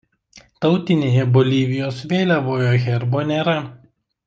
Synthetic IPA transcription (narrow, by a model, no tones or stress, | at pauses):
t̪ɐʊt̪ʲɪnʲeːjɛbɔlʲiːʋʲɪjoːsʋʲeːlʲɛʋoːjoːɣʲɛɾboːnʲeːɾɐ